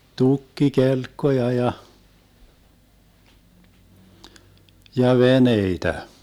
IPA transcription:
tukːikelkːojɑ jɑ jɑ ʋeneitæ

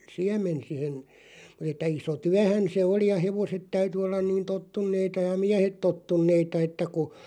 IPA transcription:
siæmˑen sihen mut etˑæ iso tyæhæn̞ se oli jɑ heʋoset tæyty olːɑn niːn totːunːeitɑ jɑ miæhet totːunːeitɑ etːæ ku

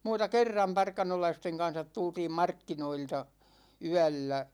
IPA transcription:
muːtɑ kerːɑm pɑrkɑnolɑisteŋ kɑn̞sɑt tultiːm mɑrkːinoiltɑ yælːæ

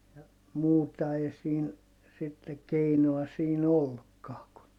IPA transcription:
jɑ muːtɑ ei siːn sitːe keinoɑ siːn olːukːɑː kun

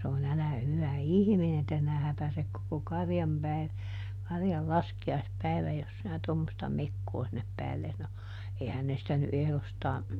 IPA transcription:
sɑnon ælæ hyʋæ ihminen etːæ sinæ hæpæsek koko kɑrjɑm pæi kɑrjɑl lɑskiɑispæiʋæj jos sinæ tomːostɑ mekːoː sinːep pæːlːes no eihæn ne sĭtæ ny ʔehlostɑː

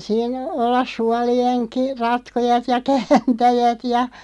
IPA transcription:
siːn olːɑs suɑlienki rɑtkojɑt jɑ kæːntæjæt jɑ

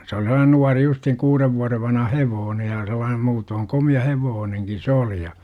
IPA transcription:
se oli selˑɑːnen nuɑri justhiŋ kuːreʋ ʋuɑreʋ ʋɑnhɑ heʋoːne jɑ selˑɑːn muːtoːŋ komiɑ heʋoːneŋkin̞ se oli jɑ

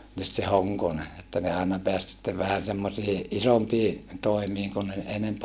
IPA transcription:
nyt se hoŋkone etːæ ne ɑinɑ peæs sitːeʋ ʋæhæn̞ semːosiː ʔisompiː toˑimiːŋ kun ne enemp

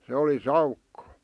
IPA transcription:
se oli sɑukːo

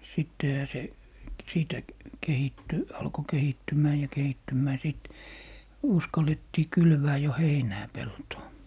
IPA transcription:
sitːehæ se siːtæ kehitːy ɑlko kehitːymˑæː jɑ kehitːymːæː siˑt uskɑletːiː kylʋæː jo heinæː peltoː

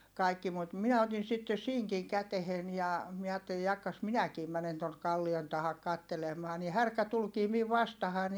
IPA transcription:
kɑˑikːi mut miɛ otin̞ sitːe siŋkiŋ kætehen jɑ miɛ ɑːtːeli jɑkːɑs minækiː mænen tonk̆ kɑlːion tɑhɑk kɑtːelemˑɑː ni hærkæ tulkiː miʋ ʋɑstɑhɑn

